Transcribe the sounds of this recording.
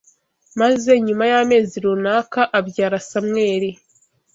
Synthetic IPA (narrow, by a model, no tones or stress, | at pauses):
maze̞ɲumajaːme̞ːziɾunaːkaʔabjaːɾasamŋe̞ːɾe